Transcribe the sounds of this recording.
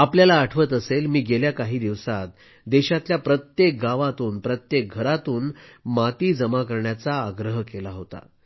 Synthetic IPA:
apljalaːʈʰʋət̪əselmiːɡeljakaɦiːd̪iʋsat̪̚ | d̪eɕat̪ljapɾət̪jek̚ɡaʋat̪uːnpɾət̪jek̚ɡʱəɾat̪uːnmat̪iːd͡zəmakəɾɳjat͡saːɡɾəɦkelaɦot̪a̰

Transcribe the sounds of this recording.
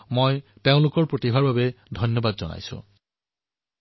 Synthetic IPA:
mojteʊ̃lʊkɔɹpɹotibʱaɹbabedʱɔnjɔbad̪zɔna̰jsṵ̃

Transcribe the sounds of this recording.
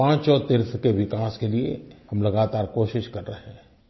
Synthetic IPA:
ãːt͡ʃɔːɾt̪ɪɾt̪ʰkeʋɪkaːskeliḛhɐ̃mlɐɡaːt̪aːɾkoːʃɪʃkɐɾːɐɦɛ̃ː

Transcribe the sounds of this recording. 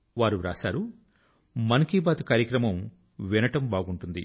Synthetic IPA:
ʋaːɾuɾa̰ːsaːɾu | mɐnkiːbaːt̪ukaːɾjɐkɾɐmɐm | ʋinɐʈɐmbaːɡuɳʈund̪i

